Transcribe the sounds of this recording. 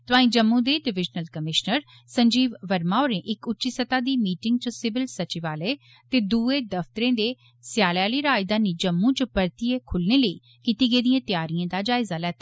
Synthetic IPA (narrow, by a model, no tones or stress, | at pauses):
t̪ʊaːĩːd͡ʒəmːũːd̪eːɖɪʋɪd͡ʒnəlkəmɪʃnəɾ | sə̃ɲd͡ʒiːʋʋəɾmaːoːɾẽːʔɪkʊtːʃiːsət̪aːd̪iːmiːʈɪŋɡ̚t͡ʃəsɪbɪlsət͡ʃiʋaːleː | t̪eːd̪uːeːd̪əft̪əɾẽːd̪eː | sɪjaːljaːliːɾaːɪd̪aːniːd͡ʒəmːũːt͡ʃəpəɾt̪ieːkʰʊlneːləiː | kiːt̪iːɡeːd̪ijãːt̪jaːɾiãːd̪aːd͡ʒaːɪzaːlɛːt̪ḁː